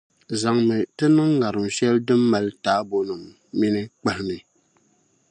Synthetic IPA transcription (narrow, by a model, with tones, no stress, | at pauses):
za˨ŋmɨ˨tɨ˦nɨ˦ŋːa˨ɾɨ˨m˨ʃɛ˦ldɨ˦mːa˨ltaː˨˦bo˦nɨ˨mː | i˦nɨ˦k͡pɛ˦lɨ˦nɨ˨